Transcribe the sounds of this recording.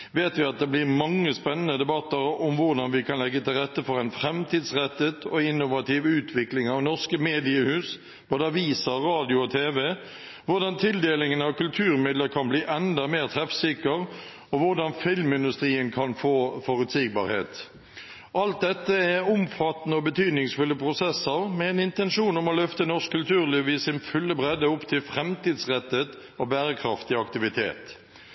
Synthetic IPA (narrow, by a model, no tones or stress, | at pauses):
ʋeːt̪ʋɪɑt̪̚d̪ɛblɪʁmɑŋːəspɛnːənəd̪ɛbɑt̪ːəɾɔmʋʊʁd̪ɑnʋɪkʰɑnlɛɡːət̪ʰɪlʁɛt̪ːəfɔɾɛɪnfɾɛmt̪ʰiːd̪sʁɛt̪ːət̪ʰɔɪnːʊʋɑt̪ɪʋʉːt̪ʰʋɪklɪŋɑʋnɔʁskəmeːd̪ɪəhʉːs | bb̥oːd̪əɑʋiːsɑʁɑːd̪ɪʊɔt̪ʰeːʋɛ | ʋʊɾd̪ɑnt̪ʰɪld̪eːlɪŋənɑʋkʉlt̪ʰʉːɾmɪd̪ləɾkʰɑnbliːʔɛnd̪ɑmeːʁt̪ʰɾɛfsɪkəʁ | ɔʋʊʁɖ̪ɑnfɪlmɪnd̪ʉst̪ɾiːənkʰɑnfoːfɔɾʉt̪siːɡ̚bɑ̰ːɾhḛːt̪ | ʔɑlt̪̚d̪ɛt̪ːəɛʊmfɑt̪ːnəɔbət̪ʰyːd̪nɪŋsfʉlːəpʰʁʊsɛsəɾmɛɛnɪnt̪ɛnʂuːnɔmɔlœft̪ənɔʂkkʰːʉlt̪ʰʉːʁlɪʋiːsɪnfʉlːəbʁɛd̪əʊpt̪ʰɪlfɾɛmt̪iːd̪sʁɛt̪ːet̪ | ɔbæːɾəkʰɾɑft̪ɪɑkt̪ɪʋɪt̪ʰḛːt̪